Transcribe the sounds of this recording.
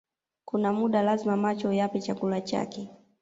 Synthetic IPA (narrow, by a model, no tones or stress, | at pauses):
kunamuɗalazimamat͡ʃɔjapit͡ʃakulat͡ʃa̰kɛ